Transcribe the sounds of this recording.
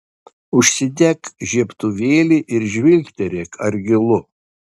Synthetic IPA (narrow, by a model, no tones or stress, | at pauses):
ʊʃʲsʲɪd̪ʲɛkʒʲiɛpt̪ʊʋʲeːlʲiʔɪɾʒʲʋʲɪlʲkʲt̪ʲɛɾʲɛkʰɐɾʲɡʲɪlˠʊ